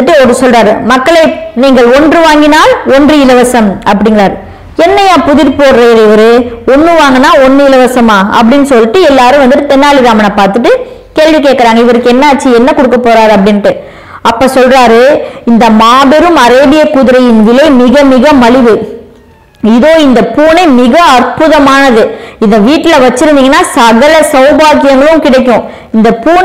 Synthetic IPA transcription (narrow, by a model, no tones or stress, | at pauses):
ɯʈːɯɔɾɯsɔlraːɾɯmɐkːɐɭɐɪniːŋɡɐɭɔndrɯʋaːŋɡɪnaːlɔndrɯɪlɐʋɐsɐmʔɐpːɐɽɪŋɡɐɾaːɾɯ | ɛnːɐjaːpʊðɪɾpoːɽɾɐɾɪʋɐɾɯɔnːɯʋaːŋɡɐnaːɔnːɯɪlɐʋɐsɐmaːɐ̰p̬ːɐɽɪnːɯsɔlːɪʈːɯɛlːaːɾɯ̃ʋɐnd̪ɯʈːɯt̪ɛnːaːɭɪɾaːmɐnapaːɾt̪ɯʈːɯ | keːɻʋikeːʈkːɐɾaːŋɡɐɪʋɐɾɯkːɯɛnːɐːʈ̚t͡ʃːiɛnːɐkɔɽɯkːɐpːoːɾaːɾɐpːɐɽɪnːʈːɯ | ɐpːɐsɔlɾaːɾɯɪnd̪ɐmaːbɛɾɯmɐɾeːbɪjɐkːʊðɪɾɐjɪnʋɪlɐɪmɪɣɐmɪɣɐmɐɭɪʋɯ | ɪðoːɪnd̪ɐpuːnɐɪmɪɣɐɐrpʊðɐmaːnɐðɯɪnd̪ɐʋiːʈːɪlɐʋɐt͡ʃːɪɾɯnd̪iːŋɡɐnːaːsɐɣɐlɐsɐʊbaːkɪjɐŋɡɐɭɯ̃mkɪɽɛɪk̬ːʊ̃ | ɪnd̪ɐpuː